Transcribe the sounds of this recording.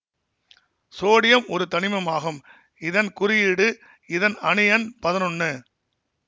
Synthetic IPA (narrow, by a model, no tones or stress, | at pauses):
soːɽɪjɐmɔɾɯt̪ɐnɪmɐmaːɣɯm | ɪðɐnkʊɾɪjɪɽɯ | ɪðɐnɐɳɪjɐnpɐðɐnɔnːɯ